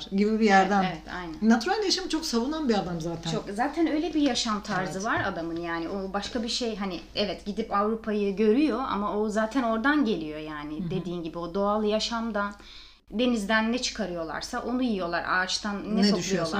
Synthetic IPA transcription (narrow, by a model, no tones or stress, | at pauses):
ɾɟibibijæɾd̪anevɛt̪ʰa̰jnæ̰nnat̪ʰyɾalʲd̪ɛjaʃamt͡ʃʰo̞ksavunanbiad̪amzaːt̪ʰæt͡ʃʰokzaːt̪ʰænø̞jlʲebijaʃamt̪ʰaɾzɯvaɾa̰d̪amɯnjaːniʔo̞baʃkabiɾʃe̞jɦanɪɛvɛt̪ɟid̪ipavɾupʰajɯɟø̞ɾyjo̞ʔa̰maozaːt̪ʰæno̞ɾd̪anɟe̞lʲijo̞jaːnɪd̪e̞d̪iːnɟibio̞d̪o̞alˠɯjaʃamd̪an | be̞nizd̪ænːɛt͡ʃʰɯ̥kʰaɾɯjo̞lˠa̰ɾsaʔo̞nujijo̞lˠaɾa̰ːt͡ʃt̪ʰanːɛoypʃlˠujo̞lˠa